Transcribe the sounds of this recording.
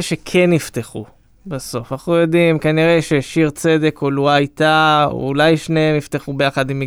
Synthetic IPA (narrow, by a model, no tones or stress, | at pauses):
ʃekʰenːift̪eχu | baso̞fanaχnujo̞dimkaniʁe̞ʃeʃiʁt͡se̞d̪e̞koluait̪a̰ṵlajʃneemift̪eχube̞jaχad̪imi